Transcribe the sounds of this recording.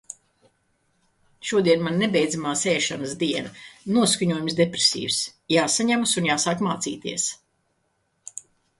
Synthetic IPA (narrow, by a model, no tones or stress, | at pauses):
ʃuɔd̪iɛnmannebɛjd̪zamaːsɛːʃanəzd̪iɛnɐnuɔskuɲuɔjumsd̪epɾe̥sʲḭːvsjaːsaɲamusunjaːsaːkmaːt̪siːt̪iɛs